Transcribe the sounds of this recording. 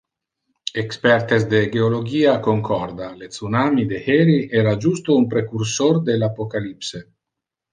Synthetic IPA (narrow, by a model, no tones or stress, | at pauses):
ekspɛɾt̪esd̪eɡeoloɡiːakoŋkʰɔrd̪alet̪sunamid̪eheɾiʔɛːɾad͡ʒust̪oumpɾekuɾsord̪elapokalipse